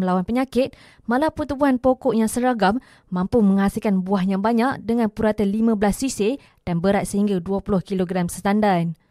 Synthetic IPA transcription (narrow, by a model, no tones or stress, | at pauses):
məlawanpəɲãkɪt̪̚ | malaput̪ubuɦanpokɔʔjaŋsəɾaɡamː | ãmpumə̃ŋhasilkanbuahɲãbaɲãkdəŋãnpuɾat̪əlimãbəlasːisɪ | d̥anbəɾat̪̚səɦiŋɡaduəpulʊhkiloɡɾamsət̪andan